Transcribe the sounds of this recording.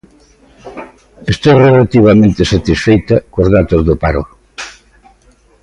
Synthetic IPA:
est̪orelat̪iβɐmẽnt̪ɪsat̪isfejt̪ɐkozðat̪ozðʊpaɾʊ̰

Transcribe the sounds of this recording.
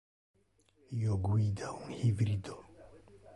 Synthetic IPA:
joɡwid̪auŋhivɾid̪o

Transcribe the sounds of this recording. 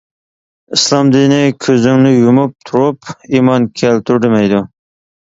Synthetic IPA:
islˠɑmd̪inɪkʲʰøzɪŋnɪjumup̚t̪ʰuɾupimɑnkʲʰɛlt̪ʰyɾd̪ɪmɛjd̪u

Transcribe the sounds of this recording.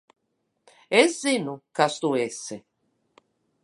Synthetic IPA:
ɛzinukast̪uese

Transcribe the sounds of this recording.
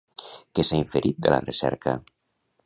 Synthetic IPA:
kesaiɱfeɾʔit̪̚d̪ela̰resɛ̰ɾka̰

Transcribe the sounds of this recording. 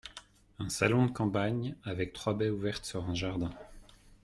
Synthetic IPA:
ɛ̃salɔ̃d̪əkɑ̃paɲavɛk̚t̪χwabɛuvɛʁt̪syʁɛ̃ʒaʁd̪ɛ̃

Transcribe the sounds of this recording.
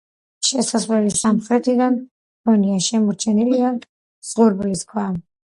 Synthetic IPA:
ʃɛsasvlɛlisamχɾɛt̪ʰid̪an | bɔniaʃɛmɔɾt͡ʃʰɛnilia | z̥ʁuɾbliskʰwa

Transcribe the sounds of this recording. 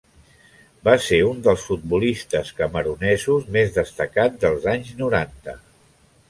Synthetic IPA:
baseund̪əlˠsfut̪̚bulist̪əskəməɾunɛzuzmezðəst̪əkadd̪əlˠzaɲznuɾant̪ə

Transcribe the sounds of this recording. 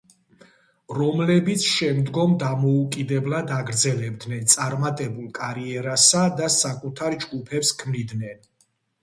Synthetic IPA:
ɾɔmlɛbit̪sʰʃɛmd̪ɡɔmd̪amɔukʼid̪ɛblˠad̪aɡɾd̪zɛlɛb̚d̪nɛnt̪sʼaɾmat̪ʼɛbulˠkʼaɾiɛɾasad̪asakʼut̪ʰaɾd͡ʒɡupʰɛpskʰmnid̪nɛn

